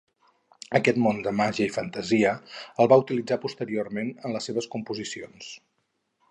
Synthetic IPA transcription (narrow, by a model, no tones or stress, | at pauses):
əkɛt̪mond̪əmaʒiəifənt̪əziəəlˠβaut̪ilid͡zapust̪əɾiormenənləsːeβ̞əskumpuzisio̰ns